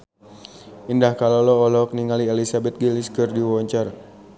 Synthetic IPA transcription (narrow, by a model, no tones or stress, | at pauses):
indahkalɔlɔːlɔk̚niŋalielisabɛt̪̚ɡiliskərdiwɔɲt͡ʃar